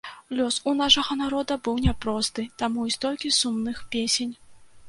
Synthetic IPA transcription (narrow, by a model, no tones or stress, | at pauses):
lʲɔsunaʂɐɣɐnaɾɔd̪ɐbɨwnʲɛpɾɔst̪ɨt̪amuist̪ɔlʲkʲisumnɨxpʲesʲenʲ